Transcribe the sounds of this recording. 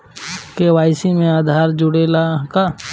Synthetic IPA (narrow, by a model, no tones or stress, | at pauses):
keʋaːɪsimẽaːd̪ʱaːɾd͡ʒʊɽeːlaka